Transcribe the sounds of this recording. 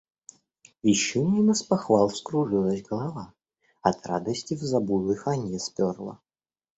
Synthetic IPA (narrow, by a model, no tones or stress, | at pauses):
vʲɪɕːɪnʲinəspɐxvalˠfskɾʊʐɨlˠəsʲɡəlˠɐva | ɐt̪ɾa̰d̪əsʲtʲɪvzɐbujlˠɨxɐnʲɛspʲorlˠə̰